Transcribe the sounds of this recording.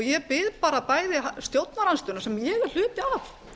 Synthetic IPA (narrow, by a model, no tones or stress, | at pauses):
jɛpɪðpaːɾapaːjðɪst̪jowt̪naɾanst̪ʏnasɛmjɛɣl̥ʏːt̪ɪaf